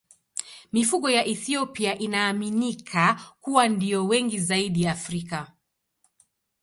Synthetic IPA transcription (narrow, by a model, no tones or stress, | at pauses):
mifuɠɔjaʔɛθiɔpiaʔinaːminikʰakuwandiɔwɛŋɡizaiɗiːfɾika